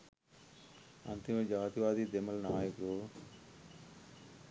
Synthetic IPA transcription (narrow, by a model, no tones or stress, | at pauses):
ɐ̰nt̪ɪmẽd͡ʒaːt̪iʋaːd̪iːd̪eməlnaːjəkɾoː